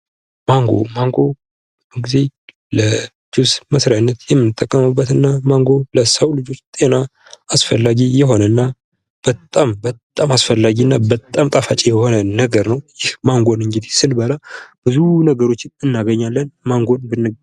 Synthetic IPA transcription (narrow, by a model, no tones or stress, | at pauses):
maŋɡo̰maŋɡo̞ | bəɡize̞ | lə | d͡ʒusməsɾajanːət̪jɛmːɨnɨt̪ʼːəkʼːəmɨbːət̪ɨnːamaŋɡo̞ləsəwlɨd͡ʒo̞t͡ʃːt̪ʼe̞na | asfəlːaɡijɛɦo̞nənːa | b̥ət̪ʼambət̪ʼːamasfəlːaɡinːabət̪ʼːamt̪ʼafat͡ʃʼijɛho̞nənəɡəɾnəwjɪhmaŋɡo̞nɨŋɡid̪esɨlbəlab̥ɨzunəɡəɾo̞t͡ʃːɪnɨnːaɡəɲːalːənmaŋɡo̞nbɨnːɨ